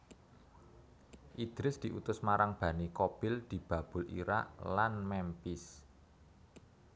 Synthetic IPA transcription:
ʔid̪̥ɾɪsd̪̥i̤ʔut̪ʊsmaɾaŋb̥ä̤nikob̥ɪld̪̥i̤b̥ä̤b̥ʊ̤lḭɾa̰ʔlanmɛmpɪs

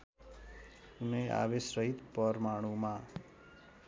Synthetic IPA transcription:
unea̰ʋesɾəɦit̪pəɾmaːɽ̃ũmã

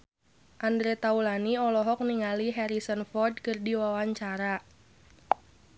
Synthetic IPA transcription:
ʔandɾet̪aulaniɔlɔɦɔk̚niŋaliɦɛɾisənfɔrd̚kərdiwawaɲt͡ʃaɾa

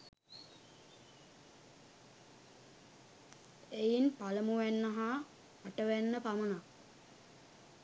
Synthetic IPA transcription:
ejinpaləmuʋænːəɦaː | ʈəʋænːəpaməna

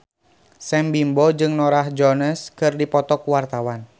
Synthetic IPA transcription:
sɛmbimbɔd͡ʒɨŋnɔɾahd͡ʒɔnəskɨrdipɔt̪ɔkuwart̪awan

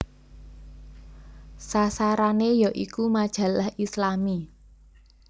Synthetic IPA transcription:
sasaɾanejɔʔikumad̥ʒ̥ä̤lahʔislami

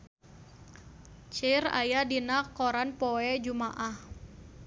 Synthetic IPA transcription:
t͡ʃɪra̰jadinakɔɾanpɔɛd͡ʒumaʔah

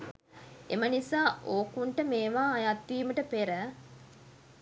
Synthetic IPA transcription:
ḛmənisaːʔoːkuɳʈəmeːʋaːjat̪ʋiːməʈəpeɾə

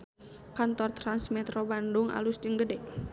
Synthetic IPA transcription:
kant̪ɔrt̪ɾansmɛt̪ɾobandʊŋa̰lusd͡ʒəŋɡədɛʔ

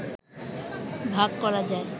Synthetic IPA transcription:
bʱaɡkɔɾad͡ʑae

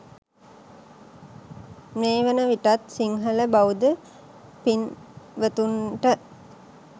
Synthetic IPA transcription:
neːʋənəʋiʈat̪siŋɦələbaud̪ə | pinʋət̪unʈə

